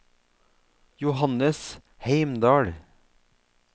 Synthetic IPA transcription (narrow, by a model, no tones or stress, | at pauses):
jʊhɑnəs | heɪmd̪ɑːɽ